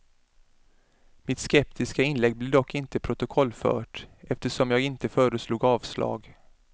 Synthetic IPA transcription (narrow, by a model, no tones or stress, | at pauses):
mɪt̪skɛpt̪ʰɪskaɪnlɛɡ̚blɪɖ̪ɔkʰːɪnt̪əpʰɾʊt̪ʊkʰɔlːfœ̰ːʈʔɛft̪əʂɔmjɑːɡɪnt̪əfœːɾəsluːɡɑːvslɑ̰ːɡ